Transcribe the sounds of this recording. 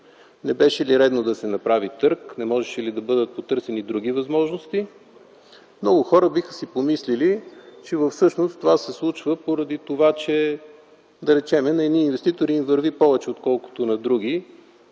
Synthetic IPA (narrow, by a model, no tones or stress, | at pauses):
nɛbɛʃɛliɾɛd̪nod̪ɐsɛnɐpɾavit̪ɤɾknɛmɔʒɛʃɛlid̪ɐbɤd̪ət̪̚pot̪ɤɾsɛnid̪ɾuɡʲivɐzmɔʒnost̪i | mnɔɡʊxɔɾəbixə̥sipomislilit͡ʃɛvəfsɤʃnost̪ovasɛslˠut͡ʃvəpoɾɐd̪it̪ovat͡ʃɛ | d̪ɐɾɛt͡ʃɛmɛnɐɛd̪niːnvɛst̪it̪oɾiːmvəɾvipɔvɛt͡ʃɛot̪kɔlˠko̥t̪onɐd̪ɾuɡ̟i